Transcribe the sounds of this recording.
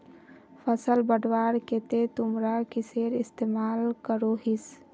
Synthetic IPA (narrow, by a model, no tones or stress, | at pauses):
pʰəsəlbəɖʋaːɾket̪et̪ʊmɾakiseːɾɪst̪eːmaːlkəɾoɦis